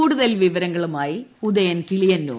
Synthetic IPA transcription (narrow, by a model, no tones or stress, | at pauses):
uːɽuðɐlʋiʋɐɾɐŋɡɐɭumaːjiud̪ɐjɐnkilijɐnːṵ